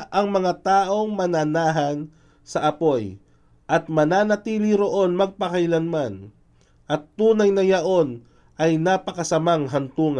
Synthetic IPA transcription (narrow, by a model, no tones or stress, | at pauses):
ʔɐŋmɐŋat̪aːʔo̞ŋmɐnanaːɦɐn | sɐʔɐpo̞j | ʔɐt̪̚mɐnaːnɐt̪iːlɪɾo̞ʔo̞nmɐɡ̚pɐkɐjlanman | ʔɐt̪ːuːnɐjnɐjɐʔo̞n | ʔɐjnaːpɐkɐsɐmaŋɦɐnt̪uːŋɐ